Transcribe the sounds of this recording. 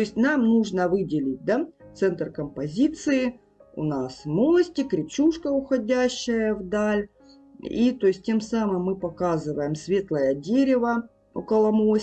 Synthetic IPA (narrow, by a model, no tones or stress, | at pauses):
t̪oɪsʲtʲnamnuʐnəvɨdʲɪlʲɪt̚ʲd̪at̪sɛnt̪rkəmpɐzʲit̪sɨɪ | ʊ̰nasmolˠəsʲtʲɪkɾʲɪpt͡ɕuʂkəʊxɐdʲæɕːɪjəvd̪alʲ | it̪o̞jɪsʲt̚ʲtʲemsamɨmːɨpɐkazɨvəjɪmsvʲe̞t̪lˠəjədʲeɾʲɪvə | o̰kəlˠɐmo